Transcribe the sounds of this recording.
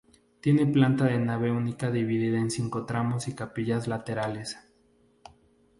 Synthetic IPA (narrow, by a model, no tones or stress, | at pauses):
t̪je̞ne̞plant̪aðe̞naβe̞unikaðiβiðiðaensiŋko̞t̪ɾamosikapiʝazlat̪eɾale̞s